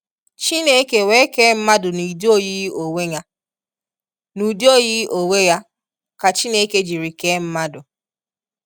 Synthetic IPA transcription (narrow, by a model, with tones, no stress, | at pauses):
t͡ʃi˦ne˦ke˨we˦ke˦m̩˦ma˦dʊ˨ni˨di˦o˦ji˦o˨we˦ɲa˦ | nu˨do˦˨ji˦ʔo˨we˦ja˦ | ka˨t͡ʃi˦ne˦ke˦d͡ʒi˨ɾi˨ke˦m̩˦ma˦dʊ˨